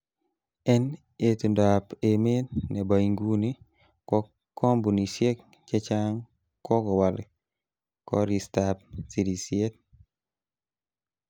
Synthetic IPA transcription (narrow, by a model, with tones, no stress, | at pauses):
ɛ˦n | e˨tu˨nda˨pe˨me˦tnɛ˨ba˨iŋɡu˦ni˦ | kɔ˦ | kːɔ˦mbu˨ni˨sje˦k̚ | t͡ʃɛ˦t͡ʃa˦ŋ | kɔ˦kɔ˨wa˨l | kɔ˦ɾi˨stap̚si˨ɾi˨sje˦t̚